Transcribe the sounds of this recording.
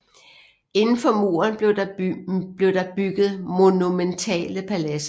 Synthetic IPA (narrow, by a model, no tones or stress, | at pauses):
e̝nn̩fɒ̽mo̝̰ːɐnb | b̥le̝ʊd̥ɑ̈b̥yɡ̥ð̞̩ˠmo̝nument͡sʰɛ̰ːləpʰælæsə